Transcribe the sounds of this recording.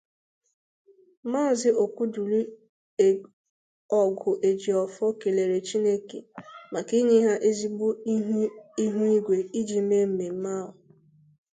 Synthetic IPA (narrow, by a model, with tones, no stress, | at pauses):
maː˦˨zɪ˦ʔo˨kʷu˦du˨li˦ | e˨ | ɔ˨ɡʊ˨ʔe˨d͡ʒi˨ɔ˨fɔ˦ke˨le˨ɾe˨t͡ʃi˦ne˦kḛ˨ma˨ki˦ɲɪ˦ɦa˦ʔe˦zi˦bu˦ | i˦ɦu˦i˦ɡʷe˨i˦d͡ʒi˨me˦m̩˨me˨m̩˦ma˦˨ɦʊ˨